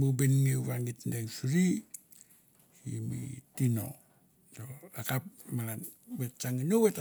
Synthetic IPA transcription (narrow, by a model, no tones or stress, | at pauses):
mubenŋeβaŋɡit̪ndeŋsuɾi | imḭtino̰ | toakap̚malanbet͡ʃaŋinuwet